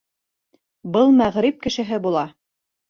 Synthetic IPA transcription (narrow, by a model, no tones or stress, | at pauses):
bɤlˠmæʁɾip̚kɘ̆ʃɘ̆ɦɘbulˠɑ